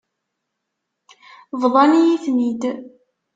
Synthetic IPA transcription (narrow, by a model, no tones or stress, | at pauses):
vðˤɑnijiθnid̪